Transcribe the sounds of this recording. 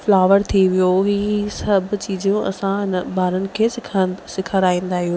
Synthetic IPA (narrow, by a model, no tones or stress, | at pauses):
flaːʋəɾt̪ʰiʋijoɦiːsɐbʱʊ̆t͡ɕiːd͡ʑjõʔɐ̰sãɦɪnbaːɾənɪ̆kʰeːsɪkʰəɾaːĩːn̆d̪aːɦijoː